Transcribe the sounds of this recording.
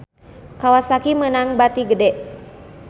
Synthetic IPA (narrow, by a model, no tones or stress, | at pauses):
kawasakimənaŋbat̪iɡədɛʔ